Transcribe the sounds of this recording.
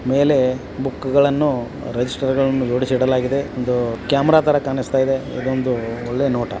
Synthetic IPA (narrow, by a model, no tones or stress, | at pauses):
me̞ːle̞ | bukːuɡɐɭɐnːu | ɾed͡ʒisʈɐɾɡɐɭɐnːujoːɽisiɽɐlaːɡid̪e̞ond̪ukjaːmɐɾaːt̪ɐɾɐkaːnist̪aːjid̪e̞ḭd̪ond̪uoɭːenoːʈɐ̰